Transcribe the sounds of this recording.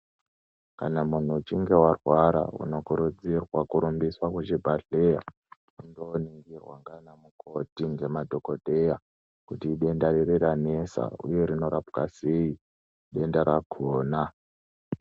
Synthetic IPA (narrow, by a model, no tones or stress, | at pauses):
kanamun̤uːt͡ʃiŋɡe̞warwaɾa̰ṵno̞kuɾud͡zirwakuɾumbiswakwet͡ʃibʱaɮeja̰ | undoniŋɡirwaŋɡanamukʰo̞tiŋɡe̞madʱo̞koɗe̞ja | kutiːɗe̞ndaɾeɾeɾanesa̰ṵjeɾino̞ɾapkasei | ɗe̞ndaɾakʰoːna